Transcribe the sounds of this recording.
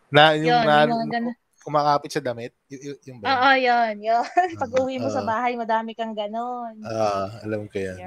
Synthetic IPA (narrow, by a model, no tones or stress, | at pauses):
najʊjonanoɡɐn | kʊmaːkaːpɪt̪t͡ʃɐd̪ɐmɪt̪̚jʊŋboːʔojonjopɐɡʔʊwimosɐbaːɦɐjmɐd̪aːmɪkɐŋɡɐnonoːʔɐlɐmkɐja